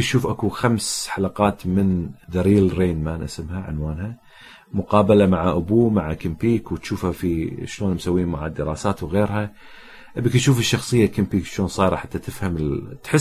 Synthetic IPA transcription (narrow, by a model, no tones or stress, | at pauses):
ʃuːfʔakuxamsħalaqɑːt̪mɪnðaɾiːlɾeːnmaːnʔa̰sɪmhaʕɪ̰nwaːnha | mʊqɑːbalamaʕaʔʊbuːmaʕakɪmpiːkwɪt̪ʃuːfhafiʃloːnmsawːiːnmaʕad̪ɪɾɑ̰ːsaːt̪wɣeːɾha | ʔbɪkt̪ʃuːfɪʃːɑxsˤɨjːakɪmpiːkʃoːnsˤɑːjɾˤɑ̰ħat̪ːat̪ɪfhamɪt̪ħɪ